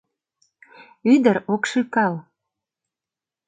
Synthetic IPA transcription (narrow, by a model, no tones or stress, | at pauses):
yd̪əɾokʃykɑl